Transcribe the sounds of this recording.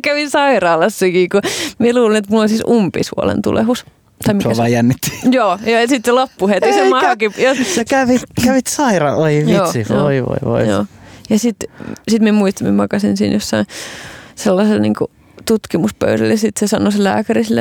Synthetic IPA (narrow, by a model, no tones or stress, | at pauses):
kæʋinsɑirɑːlɑsːikikomieluːlenet̪mulːolʲsiːsʔumpḭsṵo̰lḛnt̪ṵlʔḛhus | t̪ɑimiæʋɑijænːit̪ːi̥joːjoːjɑsit̪slopːuhet̪isemɑkijosjɑkæʋit̪kæʋit̪sɑirɑ̰ʔoiʋjioːsijooiʋo̰iʋo̰ijo̰ːjɑsit̪sit̪miemuist̪ɑmḭemɑkɑsinsḭːnjosːɑinselːɑselnḭːŋkṵ | t̪ut̪kimuspø̰yɾæ̰ljɑsit̪sesɑnosellæ̰ːkærisle